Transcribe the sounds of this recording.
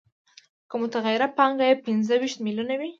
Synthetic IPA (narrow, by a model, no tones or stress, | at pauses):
kəmʊt̪aɣajɪɾapɑŋɡajepɪnzəwiʃt̪milunawi